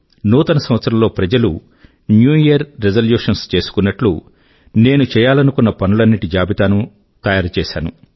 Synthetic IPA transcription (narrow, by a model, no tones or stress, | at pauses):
nuːt̪ɐnɐsɐmʋɐt̪sːɐɾɐmlo̞ːpɾɐd͡ʒɐlṵ | njuːjijɐɾːezɐljuːʂɐnst͡ʃe̞ːsu̥kunːɐʈlu | ne̞ːnut͡ʃɛːjaːlɐnukunːɐpɐnulɐnːiʈid͡ʒaːbʱit̪aːnu | t̪ɐjaːɾɐt͡ʃɛːʃa̰ːnṵ